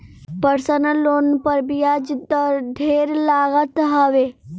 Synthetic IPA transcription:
pəɾsənəlːoːnpəɾbijad͡ʒd̪əɾd̪ʱeːɾlaːɣət̪ɦɐʋeː

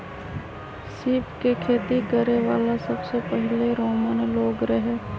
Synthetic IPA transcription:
siːpkekʰeːt̪ikəɾeʋaːlasəbsepɛɦɪleɾoːmənloːɡɾəɦeː

